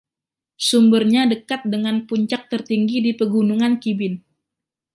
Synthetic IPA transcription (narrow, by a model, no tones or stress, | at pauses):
sumbərɲadəkat̪̚dəŋanpuɲt͡ʃak̚t̪ərt̪iŋɡidipəɡunuŋankibɪn